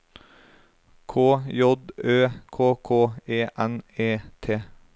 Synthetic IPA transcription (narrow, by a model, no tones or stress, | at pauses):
kʰoːjɔd̪øːkʰoːkʰoːeːʔɛneːt̪ʰeː